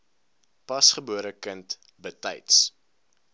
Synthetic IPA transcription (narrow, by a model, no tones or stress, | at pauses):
pɐsχəbuəɾəkənt | bətɛ̰jts